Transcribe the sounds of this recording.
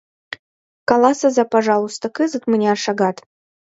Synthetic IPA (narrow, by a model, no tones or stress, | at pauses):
kalˠasɐzapaʐɑlˠust̪əkɨzɨt̪mɨnʲeaʂaɡat̪